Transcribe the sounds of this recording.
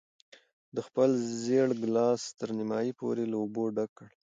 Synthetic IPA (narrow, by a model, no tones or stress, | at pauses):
d̪əxpəlzeɽɡlɑst̪əɾnɪmɑjipo̰ɾelaoboɖakːəɽ